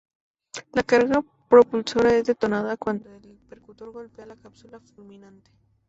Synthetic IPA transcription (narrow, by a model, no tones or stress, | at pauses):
lakaɾɣa | pɾo̞pulso̞ɾae̞zðe̞t̪o̞naðakwand̪oel | peɾkut̪o̞ɾɣo̞lpealakapsulafulmĩnant̪e̥